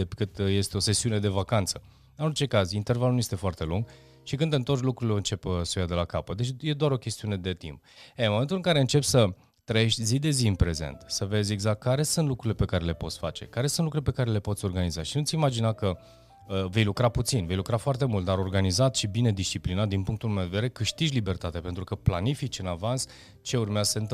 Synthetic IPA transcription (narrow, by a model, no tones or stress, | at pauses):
ekɨt̪je̞st̪eo̞se̞siune̞d̪e̞vakant̪sə | ɨno̞rt͡ʃe̞kazint̪e̞rvalnujest̪e̞foart̪e̞luŋɡ | ʃikɨnd̪ɨnt̪orʲlukɾuileɨnt͡ʃe̞pəsujad̪e̞lakapət̪d̪e̞t͡ʃje̞d̪oaɾo̞kʲe̞st̪iune̞d̪e̞t̪ḭmp̚enmːomt̪ulɨŋkaɾeɨnt͡ʃe̞psə | t̪ɾəjeʃt̪ʲzid̪e̞ziɨnpɾe̞ze̞̰nt̪səve̞zʲe̞ɡzak̚t̪̚kaɾe̞sunt̪lukɾuile̞pe̞kaɾe̞le̞po̞t̪sʲfa̰t͡ʃe̞̰kaɾesũnlukɾulepe̞kaɾe̞le̞pot̪sʲo̞rɡanizaʃinut̪sʲimad͡ʒinakə | əve̞jlukɾaput̪sinve̞jlukɾafoart̪e̞mult̪̚d̪aɾo̞rɡanizat̪ʃibine̞d̪ist͡ʃiplinat̪̚d̪inpuŋkt̪ulmewd̪ed̪eɾe̞kɨʃt̪iʒʲlibe̞rt̪at̪eape̞nt̪ɾukəplanifit͡ʃɨnavans | t͡ʃe̞urmeazəsɨnt̪